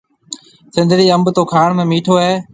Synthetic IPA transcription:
sɪ̃nd̪ʱɽiːəmbt̪oːkʰaːɳmẽːmiːʈʰoːɦeː

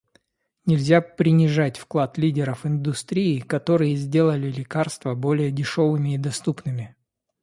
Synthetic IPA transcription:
nʲɪlʲzʲapɾʲɪnʲɪʐatʲfklˠat̪lʲidʲɪɾəfɪnd̪ʊst̪ɾʲiːkɐt̪o̞ɾɨjəzʲdʲe̞lˠəlʲɪlʲɪkarst̪vəbo̞lʲɪjədʲɪʂo̞vɨmʲɪːd̪ɐst̪upnɨmʲɪ

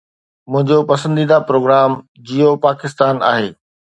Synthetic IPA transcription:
mʊ̃ɦɪ̃ɲd͡ʑopɐsə̃nd̪iːd̪apɾoːɡɾaːm | d͡ʑijopaːkɪst̪aːna̰ːɦeː

